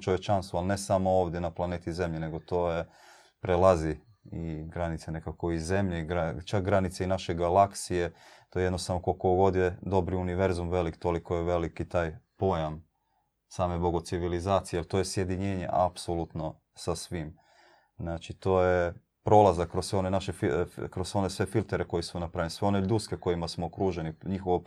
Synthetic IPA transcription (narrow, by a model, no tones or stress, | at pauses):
t͡ʃoʋje̞t͡ʃanst̪ʋualnesamooːʋd̪jenaplˠaneːt̪ize̞mʎene̞ɡo̞t̪oːje | pɾelˠazi | iɡɾanit̪sene̞kako̞ize̞mʎeɡɾat͡ʃak̚ɡɾanit̪seinaʃeɡalaksijet̪ojeed̪nost̪avnokokoɡo̞d̪jed̪o̞bɾiuniʋe̞ɾzumʋe̞likt̪o̞liko̞jeʋe̞likit̪aːjpo̞jam | saːmebo̞ɡot̪siʋilizaːt̪sijeelt̪ojesje̞d̪iɲe̞ːɲe̞̰ʔa̰psolut̪no̞ | sasʋim | znat͡ʃit̪o̞ːje | pɾo̞ːlˠazakkːɾosːʋeo̞nenaʃefikɾoso̞nesʋe̞filt̪eɾeko̞jismonapɾajlnisʋe̞o̞ned̪uskeko̞jimasmoːkɾuːʒeniɲixoʋo